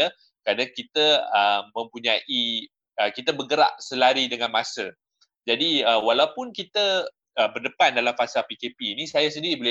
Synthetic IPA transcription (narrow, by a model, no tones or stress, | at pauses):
ə | kəɾanakit̪əəmːə̃mpuɲãʔi | əkit̪əbəɡəɾa̰ʔ̚səlaɾidəŋãnmasə | d͡ʒadiəwalawpʊnkit̪ə | əbərdəpandalamfasalpikepiːnisajas̬əndiɾibolɪ